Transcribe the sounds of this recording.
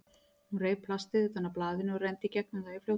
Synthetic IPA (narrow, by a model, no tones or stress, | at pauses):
hunreːjvpʰlast̪ɪðʏθanːaɾplaːðɪnɪɔrejnt̪ɪicɛk̚nɪnaɪfl̥ow